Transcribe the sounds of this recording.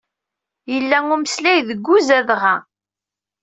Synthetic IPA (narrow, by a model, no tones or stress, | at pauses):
jəlːæŋuməslæjðəɡʷːuzæðʁæ